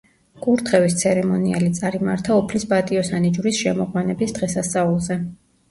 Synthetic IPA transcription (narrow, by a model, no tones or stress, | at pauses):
kʼuɾt̪ʰχɛvist̪sʰɛɾɛmɔnia̰lit̪sʼaɾimaɾt̪ʰaɔpʰlisbat̪ʼiɔsanid͡ʒuɾisʃɛmɔʁwanɛbisd̪ʁɛsasaulˠzɛ